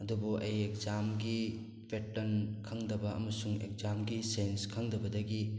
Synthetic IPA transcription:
ɐdubuʔɐjek̚zamɡi | pʰetːɐnkʰɐŋdɐbɐɐ̰mɐsuŋḛk̚zamɡisenskʰɐŋdɐbɐdɐɡi

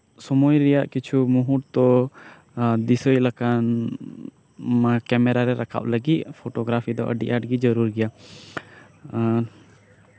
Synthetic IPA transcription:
sɔmɔjɾɛjaʔkit͡ʃʰumuɦuʈt̪ɔ | d̪isɔjlakan | makɛmɛɾaɾɛɾakʰa̰ʔləɡit̪̚pʰoʈɔɡɾapʰid̪ɔʔə̰ɖiʔaʈɡid͡ʒəɾuɾɡɛja

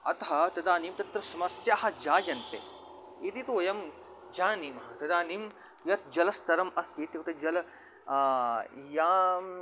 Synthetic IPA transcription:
ɐ̰t̪ɐɦɐt̪ɐd̪aːniːmt̪ɐt̪ɾɐsɐmɐsjaːɦɐ̆d͡ʒaːjɐnt̪ḛ | it̪it̪oːjɐm | d͡ʒaːniːmɐɦɐt̪ɐd̪aːnim | jɐt̪̚ʰd͡ʒɐlɐst̪ɐɾɐmɐst̪eːt̪jɐkt̪ed͡ʒɐlɐ | jaːm

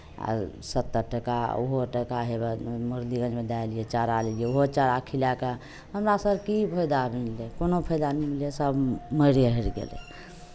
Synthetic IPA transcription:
a̰sət̪ːəɾʈəkauɦoʈəkaɦebməɾd̪iɡə̃d͡ʒmed̪aelijet͡ʃaɾalelijeoɦot͡ʃaɾakʰilaka | ɦəmɾasəbkipʰəjd̪abmilekonopʰəjd̪animiljesəbməɾjeɦəɾɡḛlḛ

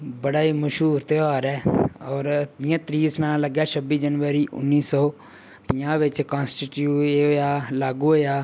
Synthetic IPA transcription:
bəɽaːiːməʃɦuːɾt̪eːaːɾɛːɔːɾd̪ɪjãːt̪ɾiːsnãːləɡɛːʃʰəbiːd͡ʒənʋəɾiːʔʊ̰nːiːsɔː | pijãːʋɪt͡ʃkãːnsʈɪʈjueojaːlaːɡuːoːjaː

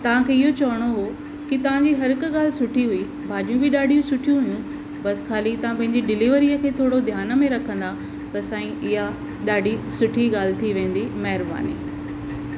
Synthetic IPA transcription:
t̪ɐʋ̤ãkʰeːɪɦot͡ɕɐʋəɽ̃oɦoː | kɪt̪ɐʋ̤ãɲd͡ʑiːɦɐɾɪkɠaːlɪsʊʈʰiɦui | bʱaːɗijũbɪɗaːɖʱijũsʊʈʰijũɦʊjũ | bɐskʰaːlit̪ɐʋ̤ãpɐ̃ɦɪ̃ɲd͡ʑiɖɪliʋəɾiəkʰeːt̪ʰoːɽod̪ʱjaːnə̆mẽɾɐkʰə̃nd̪a | t̪ɐsãːĩɪɦa | ɗaːɖʱisʊʈʰiɠaːl̤ɪt̪ʰiʋẽːn̆d̪imɐɦɪɾba̰ːnḭː

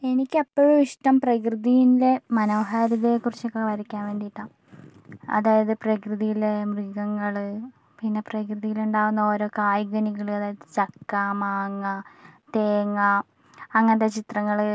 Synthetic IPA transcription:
e̞nikʲːɐpːoɻuiʂʈɐmprɐkrɨðijinle̞mɐnɐːɦaːɾɐðekːurit͡ɕːokːeʋɐɾikʲːaːnʋe̞ːɳɖijʈːaːm | ɐ̰ðaːjɐðɨprɐkrɨðijilemriɣɐŋːɐɭ | pinːe̞prɐkrɨðijiluɳɖaːɣunːɐo̞ːɾo̞ːkaːjɡɐniɣɐɭɨɐðaːjɐðɨt͡ɕɐkːamaːŋːɐt̪eːŋːɐ | ɐŋːɐnðet͡ɕit̪rɐŋːɐɭ

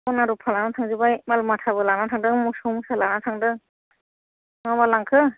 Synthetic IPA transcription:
anaɾupʰalanatʰaŋzɯbajmalmatʰabɯlanatʰaŋdɯŋmusumsalanatʰaŋdɯŋ | ŋamalaŋkʰɯ

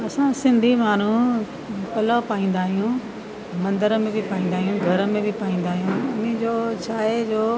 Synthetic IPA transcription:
ɐsãsɪ̃nd̪ʱimaːn̤ũ | pɐlopaːĩːn̆d̪aːɦijũ | mɐ̃nd̪əɾəmẽbɪpaːĩːnd̪aːɦijũɡʱɐɾə̆mẽbɪpaːĩːnd̪aːɦijũɐnĩd͡ʑoːt͡ɕʰaːed͡ʑoː

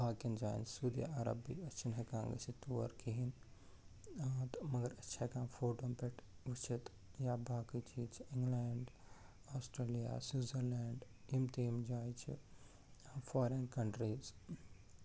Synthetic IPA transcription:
bʱaːkind͡ʒaːjnt͡ʃsuːd̪ija̰ɐɾɐ̰bḭɐt͡ʃʰinɦɐkãːŋɡɐ̰sit̪uʋɐ̰ɾkʰiɦin | t̪mɐɡɐɾɐtːʃʰakãːmfoːʈoːmpɛʈʋut͡ʃʰit̪ | jaːbʱaːkit͡ʃʰit͡ʃʰiɪ̃ŋɡlaːɳɖ | aːsʈɾeːlija̰ːsuːzɐɾlɛːɳɖimt̪iːmd͡ʒaːjt͡ʃʰḭ | faːɾenkɐɳʈɾiːz

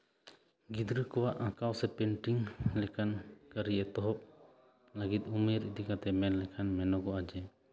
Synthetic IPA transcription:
ɡid̪ɾɯkɔwaʔakawsɛpɛɳʈiŋlɛkʰankəɾiʔɛt̪ɔɦɔp̚ | laɡit̪̚umɛɾid̪ikat̪ɛmɛnlɛkʰanmɛnɔɡɔad͡ʒɛ

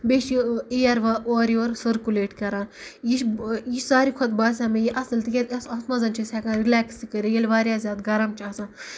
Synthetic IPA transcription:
beʃiejɐɾʋɐoːɾioːɾsɐɾkuleːʈkɐɾãː | jiʃjiʃsaːɾikʰɐt̪baːsʲaːmẽjiʔɐsɐlt̪ikʲet̪ʲɐsɐt̪mɐzɐnt͡ʃʰisʲɛːkãːɾilɛːksikəɾijelʋaːɾjaːzʲaːd̪ɡɐɾɐmt͡ʃʰɐsãː

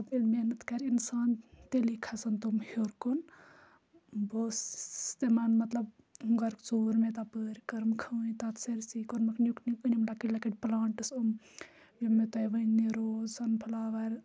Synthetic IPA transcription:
ɐbilmenɨt̪kɐɾinsaːnt̪elikʰasɐnt̪omhoɾkon | boːsst̪emanmɐt̪lɐb | uŋɡɐɾkt͡soːɾmet̪apəːɾkɐɾmkʰɐwĩt̪at̪seɾsikonmɐknjuknikɨnimlakilɐkiʈplaːɳʈɨsum | jimːet̪ojʋɐnnːiɾoːzsɐnpʰɐlaːʋɐɾ

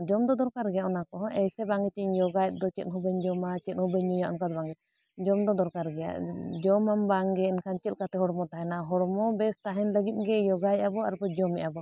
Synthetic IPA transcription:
d͡ʒɔmd̪ɔd̪ɔɾkaɾɡɛjaʔɔnakɔɦɔ̃ʔɛjsɛbaŋɡɛt͡ʃiɲjɔɡajt̪̚ˀd̪ɔt͡ʃɛt̪̚ɦubɛɲd͡ʒɔmat͡ʃɛt̪̚ˀhubɛɲujaʔɔ̰nkad̪baŋɡɛt̪ | d͡ʒɔmd̪ɔd̪ɔɾkaɾɡɛja̰ʔd͡ʒɔmambaŋɡɛɛnkʰant͡ʃɛl̚kat̪ɛɦɔɽɔmɔt̪aɦɛnaɦɔɽɔmɔbɛst̪aɦɛnləɡit̪̚ɡɛjɔɡajt̪̚abɔaɾpɔd͡ʒɔmɛʔabɔ

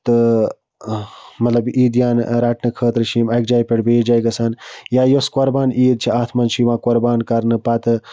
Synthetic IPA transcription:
t̪ɨ | mɐt̪lɐbiːd̪jaːnɾaːʈnɨkʰəːt̪ɾɨʃiːmɐkd͡ʒaːjpeʈbeːd͡ʒajɡɐsanjaːjoskɐɾbaːnʔiːd̪̚t͡ʃʰiaːt̪ʰmɐnt͡ʃʰiʋãːkoɾbaːnkɐɾnɨpat̪ɨ

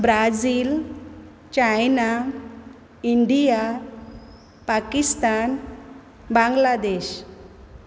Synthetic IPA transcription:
bɾad͡ziːl | t͡ɕajna | iɳɖija | pakist̪an | bãŋɡlad̪eɕ

